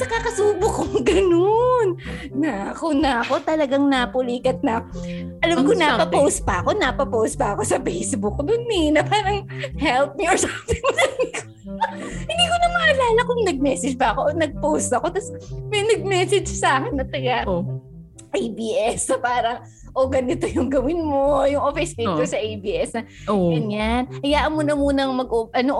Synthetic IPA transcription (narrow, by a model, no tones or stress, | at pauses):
sɐkakɐsuːbʊkːoŋɡɐnonːɐʔɐkonɐɐko̞t̪ɐlɐɡaŋnɐpʊliːkɐt̪̚nɐʔɐlamkonapɐpowst̪̚pɐʔɐko̞nɐpɐpowst̪̚pɐɐko̞sɐfɛjsbʊk̚d̪ʊnːɛnɐpaːɾɐŋhɛlp̚mioɹsapɪŋmɐdɐnko | hɪnd̪iːkonɐmɐʔɐlaːlɐkʊŋnɐɡ̚mɛːsɛd͡ʒpɐɐkonɐɡ̚powst̪ɐko̞t̪ɐsmɐjnɐɡ̚mɛsɛd͡ʒsaːkɛnːɐt̪ɪɡa | ʔejbiːʔɛsɐpaːɾɐŋ | ʔoɡɐnɪt̪o̞jʊŋɡɐwɪnmojʊŋʔofɪst̪it̪oɹsɐʔejbiːʔɛsnɐɡɐnɲanʔɐjaːʔɐnmunɐmuːnɐŋmɐɡʔoʔɐno